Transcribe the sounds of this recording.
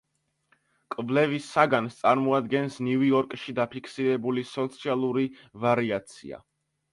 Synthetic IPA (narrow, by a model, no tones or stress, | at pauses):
kʼvlɛvisːaɡanst̪sʼaɾmɔad̪ɡɛnsniviɔɾkʼʃid̪apʰikʰsiɾɛbulisɔt̪sʰialˠuɾi | vaɾiat̪sʰḭa̰